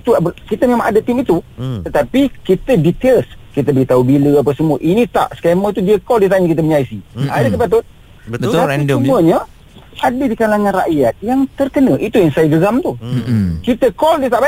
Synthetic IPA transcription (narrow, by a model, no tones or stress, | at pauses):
it̪ukit̪əmemãŋadət̪imit̪ut̪ət̪apikit̪ədit̪elskit̪əbəlit̪aubiləapasəmuəʔinĩt̪a̰ʔsə̥kɛmət̪udiəkɔldit̪̬aɲəkit̪̬əməɲaisiadakəpat̪ʊt̪̚ | əət̪apiəmuəɲə | adədikalaŋãnra̰ʔjat̪̚jaŋt̪ərkənəʔit̪ujaŋsajəɡəɡamt̪ukit̪əkɔldit̪aʔba